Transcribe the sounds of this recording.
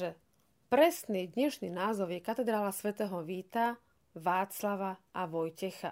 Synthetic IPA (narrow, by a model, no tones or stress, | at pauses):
ʒɛ | pɾɛsniːd̪ɲɛʃniːnaːzɔʊjɛkat̪ɛd̪ɾaːlasʋɛt̪ɛːɦɔʋiːt̪a | ʋaːt͡slaʋaʔaʋɔjcɛxa